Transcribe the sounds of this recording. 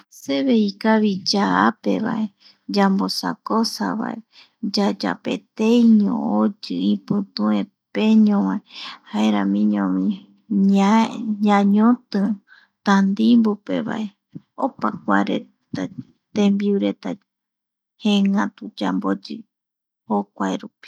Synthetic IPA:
seβeikaβid͡ʒaape̞̰βa̰ʔe | d͡ʒambo̞sa̰kosa̰βa̰ʔe | d͡ʒad͡ʒa̰pe̞̰t̪ejɲõ̰od͡ʒɨĩpɨ̃t̪ũẽ | peɲõwãehaeɾãmĩɲõmĩ | ɲãɲõt̪ɨ | t̪and̪imbupe̞βa̰ʔe | opakʷaɾḛ | t̪a | t̪ẽmbiuɾe̞t̪a | hẽŋãt̪ud͡ʒambod͡ʒɨ | hokʷajɾupi̥

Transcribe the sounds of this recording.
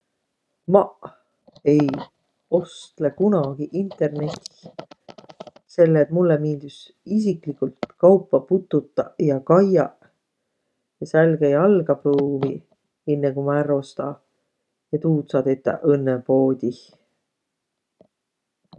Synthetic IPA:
mɑʔ | e̞j | o̞st̪lekunɑɡ̥iʔint̪ˑe̞rne̞t̪ʲːi̥ | se̞lːeːt̪mulːemiːnd̪us | is̬iklikːult̪kɑwpˑːɑput̪ːˑut̪ːˑɑjɑkɑjɑ | jɑsælɡejɑlɡ̥ɑpɾuːvi | enːekumæro̞st̪ɑ | et̪uːt̪sɑt̪et̪ːˑɑ̰ʔɤnːepo̞ːd̪̥ʲi

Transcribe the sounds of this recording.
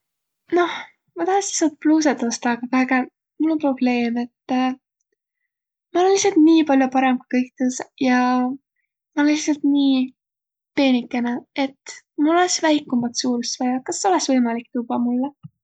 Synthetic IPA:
no̞h | mɑt̪ɑhɑsisɑt̪̚pluːs̬et̪ost̪ɑːɡɑvæeɡæ | mulonpro̞b̥le̞ːme̞t̪ː | mɑolenlːisːɑlt̪niːpɑlʲjopɑɾe̞mku̥kɤjk̚t̪esjɑ | mɑolenlisɑlt̪niː | t̪e̞ːnikːˑenee̞t̪ː | muloleksvæjkːˑumɑt̪suːɾust̪vɑjɑkɑsːeo̞lesvɤjmɑlik̚ːt̪ubɑmulːɛ

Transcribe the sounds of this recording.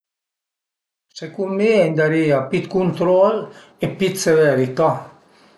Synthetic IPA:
sekummiend̪aɾiapit̪kunt̪ɾɔl | epit̪seveɾit̪a

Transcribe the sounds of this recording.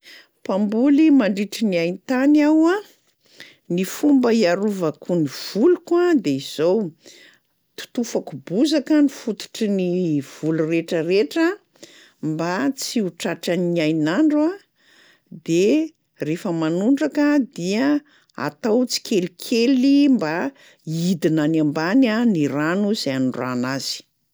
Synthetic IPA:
pambulimaɳɖ͡ʐiʈ͡ʂiniajnt̪anawa | nifumbəiaɾuvakuniv̥ulukad̪eiz̥ow | t̪u̥t̪ufakubuzakənifut̪u̥ʈ͡ʂiniv̥ulureʈ͡ʂəreʈ͡ʂə | mbat͡siuʈ͡ʂaʈ͡ʂaniajnaɳɖ͡ʐa | d̪e | refəmanuɳɖ͡ʐakəd̪iə | a̰t̪awt͡si̥kelikʰelimba | id̪inanambananiranuzeanuɖ͡ʐanaz̥i̥

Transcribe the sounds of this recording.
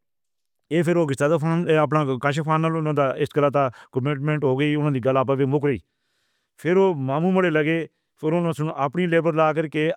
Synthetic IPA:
eːpʰɪɾoːɡɪst̪aːd̪aanːəp̬nãːkaʃaːpʰaːnːalʊnãːd̪aːɪskəlaːt̪ãːkəmɪʈmẽːɳʈɦoːɡəiːʊnãːd̪iːɡəlaːp̬aːʋeːmʊkɾəiː | pʰɪɾoːmaːmũːməɽeːləɡeː | pʰɪɾʊnãːsʊnaːpɳiːleːbəɾlaːk̬əɾkeː

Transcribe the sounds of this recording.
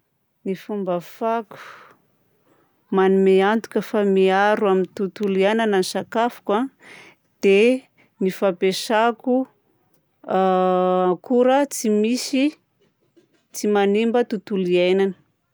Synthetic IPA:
nifumbafaku̥ | manimeant̪u̥kʲəfamiaɾuamint̪ut̪ulianananisakafu̥ka | d̪̥e | nifapesaku | kuɾət͡simisi | t͡simanimbət̪ut̪uliejnanə̥

